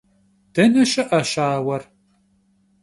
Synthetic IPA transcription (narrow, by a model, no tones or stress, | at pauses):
d̥ɐnɐʃɐʔɐʃaːwɐr